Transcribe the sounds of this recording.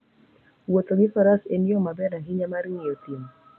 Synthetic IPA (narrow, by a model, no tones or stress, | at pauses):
wɔt̪oɡifaɾaseniɔmabɛnaɦiɲamaɾiŋiɔtim